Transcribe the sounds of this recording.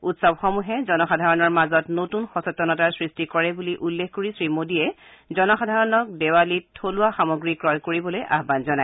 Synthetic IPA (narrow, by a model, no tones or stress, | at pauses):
utsɔbxɔmuɦɛzɔnɔxadʱaɹɔnɔɹmazɔtnotunxɔsɔtːɔnɔtaɹsɹistikɔɹɛbuliʔulːexkoɹisɹimodiɛ | zɔnɔxadʱaɹɔnɔk̚dewalitʰːolʊwaxamoɡɹikɹɔjkoɹibɔlojʔa̰ɦbanzɔnaj